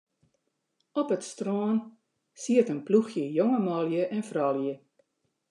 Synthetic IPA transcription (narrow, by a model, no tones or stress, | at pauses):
ɔpətstroːn | siətənpluxjəjoŋəmɑlˠjəʔɛnfrɑljə